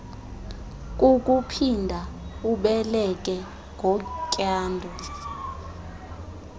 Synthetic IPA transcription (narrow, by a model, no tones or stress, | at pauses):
k̬ʼuk̬ʼupʰindʱauɓɛlɛk̬ʼɛ | ŋʱɔkʼjaːndʱɔ